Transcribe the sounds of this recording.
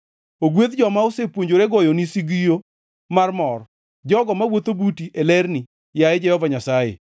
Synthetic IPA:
oɡwet̪d͡ʒɔmaosepwoɲd͡ʒoɾeɡɔjonisiɡijo | marmɔr | d͡ʒɔɡɔmawot̪obutiʔelɛrni | jaed͡ʒɛhɔvaɲasajḛ

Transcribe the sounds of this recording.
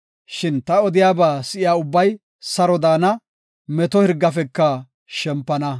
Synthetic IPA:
ʃɪnt̪ɐɔd̪ɪjaːbaːsɪʔɪjaːʊbːɐj | sɐɾɔd̪aːnɐ | mɛt̪ɔhɪɾɡːɐfɛkːɐ | ʃɛmpːɐnɐ

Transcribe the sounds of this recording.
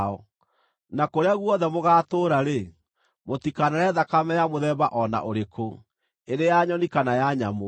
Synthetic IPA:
ɔ | nakoɾeaɣwɔðɛmoɣaːtoːɾaɾe | mot̪ikanaɾɛðakamɛjamoðɛβaʔɔna̰ʔoɾekʰo | eɾejaɲɔnikanajaɲamo

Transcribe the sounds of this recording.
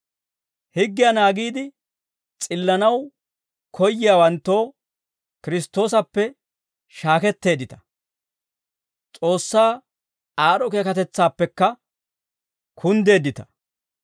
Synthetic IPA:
hɪɡːɪjanaːɡiːd̪ɪ | t͡sʼɪlːɐnɐw | kʰɔjːɪjaːwɐnt̪ːo̞ː | kɪɾɪst̪o̞ːsɐpːɛ | ʃaːkɛt̪ːe̞ːd̪ɪt̪ɐ̥ | t͡sʼo̞ːsːaː | aːɾɔke̞ːkɐt̪ɛt͡sːaːpːɛkːɐ | kʰʊnd̪e̞ːd̪ːɪt̪ɐ̥

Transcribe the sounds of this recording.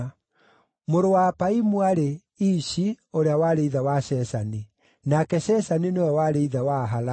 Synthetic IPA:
moɾowapaimuaɾe | iʃi | oɾeawaɾeiðawaʃɛsani | nakɛɕɛsaninewɛwaɾeiðawaɦala

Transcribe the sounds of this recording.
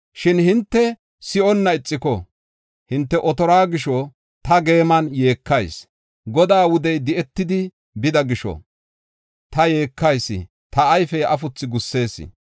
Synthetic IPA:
ʃɪnhɪnt̪ːɛ | sɪʔɔnːɐɪt͡sʼːɪkɔ̰ | hɪnt̪ːɛʔɔt̪ɔɾaːɡɪʃɔ | t̪ɐɡe̞ːmɐnje̞ːkːɐjs | ɡɔd̪aːwʊd̪ɛjd̪ɪʔɛt̪ːɪd̪ɪ | bɪd̪ɐɡɪʃɔ̰ | t̪ɐje̞ːkːɐjsːɪ̰ | t̪ɐːjfɛʔɐfʊt͡sːɪɡʊsːe̞ːsːɪ̰

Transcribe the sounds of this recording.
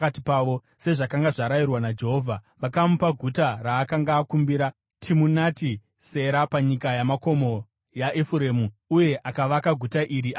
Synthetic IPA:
katipaːʋo̞ | se̞ʐakaŋɡaʐaɾajirwanad͡ʒe̞ɦo̞ːvʱa | ʋakamupaɡʱutaraːkaŋɡaːkumbiɾa | tʰimunati | se̞ɾapaɲikajamako̞mo̞ | jaʔefuɾe̞ːmuuje̞ʔakaʋakaɡʱutaʔiɾi

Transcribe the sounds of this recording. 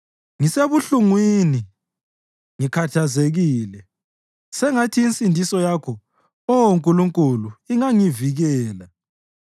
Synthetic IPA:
ŋiseβuɬuŋwini | ŋikʰatʰazeɣiːlɛ | sɛŋatʰiːnt͡sʼindʱisɔjakʰɔ | ɔwoŋkʼuluŋkʼuluiŋaŋiviɣɛːla

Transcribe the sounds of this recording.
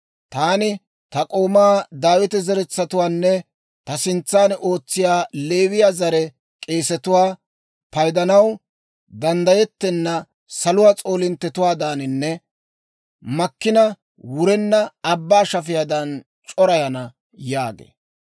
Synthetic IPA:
t̪aːnɪ | t̪ɐkʼo̞ːmaːd̪aːwɪt̪ɛzɛɾɛt͡sːɐt̪ʊwaːnːɛ | t̪ɐsɪnt͡sːaːnʔo̞ːt͡sːɪjaːle̞ːβɪjaːzɐɾɛ | kʼe̞ːsɛt̪ʊwaː | pɐjd̪ɐnɐw | d̪ɐnd̪ɐjɛt̪ːɛnːɐ | sɐlʊwaːt͡sʼo̞ːlɪnt̪ːɛt̪ʊwaːd̪aːnɪnːɛ | mɐkːɪnɐ | wʊɾɛnːɐːbːaːʃɐfɪjɐd̪ɐn | t͡ʃʼɔɾɐjɐnɐ | jaːɡḛː

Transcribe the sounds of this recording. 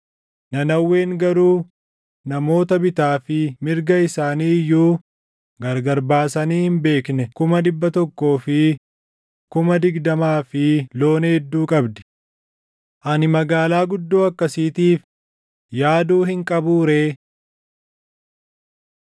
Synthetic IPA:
nɐnɐwːe̞ːŋɡɐɾuː | nɐmo̞ːt̪ɐbɪt̪aːfɪmɪɾɡɐɪsaːniːjːuː | ɡɐɾɡɐɾbaːsɐniːhɪmbe̞ːknɛkʊmɐd̪ɪbːɐt̪ɔkːo̞ːfɪ | kʊmɐd̪ɪɡd̪ɐmaːfɪlo̞ːnɛd̪ːuːkʼɐbd̪ɛ̥ | ʔɐnɪmɐɡaːlaːɡʊd̪ːoːɐkːɐsiːt̪iːf | jaːd̪uːhɪŋkʼɐbuːɾe̞ː

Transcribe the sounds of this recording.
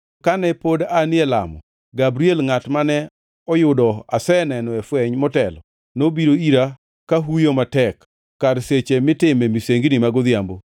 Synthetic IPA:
kanɛpodanɪɛla̰mɔ̰ | ɡabɾielŋatmanɛ | ɔjʊdɔa̰sɛnɛnɔɛfwɛɲmɔtɛlɔ̰ | nobiɾoiɾa | kaɦujomatɛk | kːaɾset͡ʃemɪtɪmɛmiseŋɡnɪmaɡod̪jambo

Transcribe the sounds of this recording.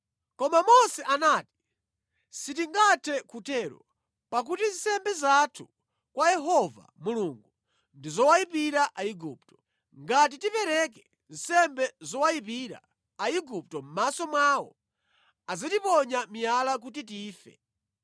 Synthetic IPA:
kɔmamɔsɛʔanaːti̥ | sit̬iŋɡatʰɛkutʰɛːɾɔ̰ | pak̬utin̩sɛmbɛzatʰu | kwajɛɦɔva̰muluŋɡu | ndizɔwaipiɾaʔaiɡup̚tɔ̥ | ŋɡat̬itipɛɾɛk̬ɛ | n̩sɛmbɛzɔwajipiɾa̰ | aiɡup̚tɔm̩masɔmwawɔ̰ | azatipɔɲamijalak̬ut̬it̬iːfɛ̰

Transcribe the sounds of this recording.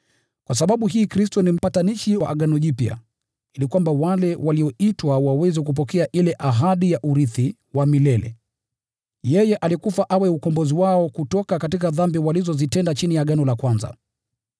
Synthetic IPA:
kwas̬aɓaɓuɦiːkɾistɔnim̩pataniʃiwaʔaɠanɔʄipja̰ | ilikwambawalɛwaliɔitwawawɛzɛk̬up̬ɔkɛaʔilɛʔaɦaɗijaʔuɾiθi | wamilɛlɛ̰ | jɛjɛʔalikufaʔawɛukɔmbɔziwaɔkutɔkakatikaðambiwalizɔzitɛndat͡ʃinijaɠanɔlakwanza̰

